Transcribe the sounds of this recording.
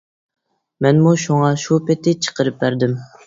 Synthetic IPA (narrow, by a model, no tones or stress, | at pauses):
mɛnmuʃuŋɑʃupʰɪt̪ʰɪt͡ʃʰə̥qəɾɨp̚bæɾd̪ɪm